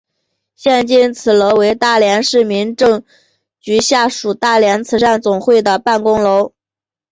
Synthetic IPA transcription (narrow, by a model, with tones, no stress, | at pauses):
ɕjɛ˥˧nt͡ɕi˥nt͡sʰɹ̩˨˩lɤ˧˥ʊwe˧˥ɪt̪a˥˩ljɛ˧˥nʂɻ̩˥˩mi˧˥nʈ͡ʂɤ˥˧ŋ | t͡ɕy˧˥ɕja˥˩ʂu˨˩t̪a˥˩ljɛ˧˥nt͡sʰɹ̩˨˧˥ʈ͡ʂa˥˩nt͡sʊ˨˩ŋxwe˥˩ɪd̪ə˩pa˥˩nkʊ˥ŋlo˧˥ʊ